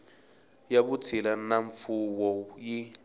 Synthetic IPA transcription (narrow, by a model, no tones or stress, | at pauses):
jaɓut͡sʰilanaɱfuwɔji